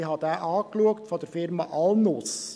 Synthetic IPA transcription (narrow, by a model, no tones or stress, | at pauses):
ɦɑd̪æːʔɑːkluəktfɔd̥̪əɾfɪɾmɑ̰ʔɑlnʊs